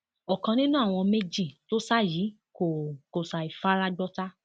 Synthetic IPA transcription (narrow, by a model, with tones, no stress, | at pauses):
ɔ˨kã˧nĩ˦nũ˦a˦˨w̃ɔ̃˧me˦d͡ʒi˦˨to˦sa˦jiː˨˦ | ko˨ko˨sa˨i˨fa˦ɾa˦ɡ͡bɔ˦ta˦